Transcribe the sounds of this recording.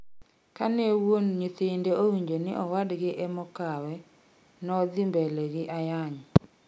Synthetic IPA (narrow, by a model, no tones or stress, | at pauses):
kanewonɲit̪ɪndeʔowiɲd͡ʒonɪ̰ʔɔwadɡɪʔɛmɔkawɛ | nɔd̪imbɛlɛɡɪʔajaɲɔ